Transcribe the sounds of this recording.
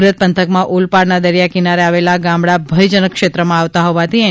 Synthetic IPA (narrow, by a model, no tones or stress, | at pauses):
ɾət̪̚pənt̪ʰəkmãʔulpaɾnad̪əɾjakinaɾeaʋelaɡãmɽabʱəjd͡ʒənəkʃet̪ɾəmãaʋt̪aɦɔʋat̪ʰi